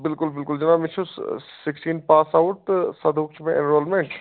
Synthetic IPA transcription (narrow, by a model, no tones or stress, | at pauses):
bɪlkʊlbɪlkʊld͡ʒɪnaːmit͡ʃʰussiksʈiːnpaːsaʊʈ̪sɐd̪ʱuk̚t͡ʃʰmẽʔenɾoːlmẽɳʈ